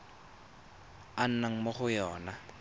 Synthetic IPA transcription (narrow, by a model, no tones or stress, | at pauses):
an̩naŋ̩moχʊjɔːna